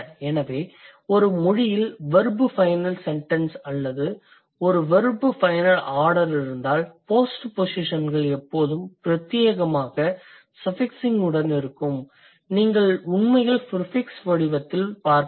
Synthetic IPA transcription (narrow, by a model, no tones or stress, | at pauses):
ɛnɐʋeː | ɔɾɯmʊɻɪjɪlʋɐɾbɯfɐɪnɐlsɛɳʈɐnsɐlːɐðɯ | ɔɾɯʋɐɾbɯfɐɪnɐlaːɽɐɾɪɾɯnd̪aːlpoːsʈposɪʂɐnɡɐɭɛpːoːðɯmpɪɾɐt̪ːjeːɣɐmaːɣɐ | sɐfɪksɪŋɡɯɽɐnɪɾɯkːɯm | niːŋɡɐɭʊɳmɐɪɣɐɭfɪɾfɪksʋɐɽɪʋɐt̪ːɪlpaːɾk